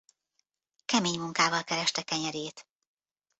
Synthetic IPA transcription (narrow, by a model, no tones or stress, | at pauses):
kɛmeːɲmuŋkaːvɒlkɛɾɛʃt̪ɛkɛɲɛɾeːt̪